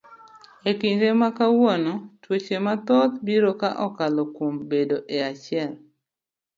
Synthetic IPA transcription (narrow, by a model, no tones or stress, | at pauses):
ekiɲɾemakawonɔtwot͡ʃemat̪ɔt̪biɾokaʔɔkalɔkwombedoʔeat͡ʃɪɛl